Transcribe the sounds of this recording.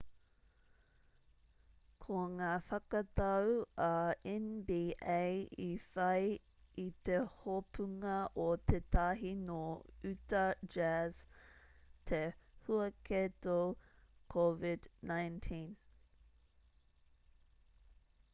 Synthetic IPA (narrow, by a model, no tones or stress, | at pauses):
kʰoŋaːfɐkɐt̪ɐwɐɛnbiːʔejifɐj | it̪ehopʉŋɐʔot̪ʰet̪ʰɐɦinoʉt̪ɐd͡ʒæz | t̪ʰehuɐkʰeto | kʰovɪdnajntʰĩn